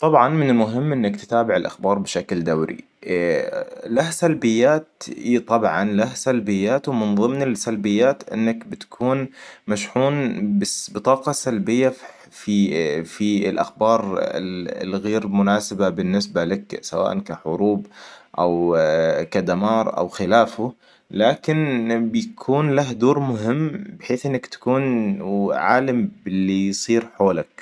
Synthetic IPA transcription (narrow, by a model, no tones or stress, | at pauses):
t̪ˤɑbʕɑnmɪnɪlmʊɦɪmːʔɪnːakt̪ɪ̥t̪aːbɪʕɪlʔa̰xbɑːɾˤbɪʃakld̪awɾḭ | lahsalbɪjːaːt̪it̪ˤɑbʕɑnlahsalbɪjːaːt̪wmɪnðˤɨmnɪlsalbɪjːaːt̪ʔɪ̰nːakbɪt̪ḁkʰuːnmaʃħuːnbɪbɨt̪ˤɑːqɑsalbɪjːa | fifiɪlʔa̰xbɑːɾˤɪ̰lɪ̰lɣeːɾmʊnaːsɪbabɪnːɪsbalaksawa̰ːʔankaħʊɾuːbʔawkad̪amɑːɾˤʔa̰wxɪlaːfʊ | laːkɪnbɪjakʰuːnlahd̪uːɾˤmʊɦɪmːbɪħeːθʔɪnːakt̪ḁkuːn | ʕa̰ːlambɪlːijsˤiːɾħoːlak̚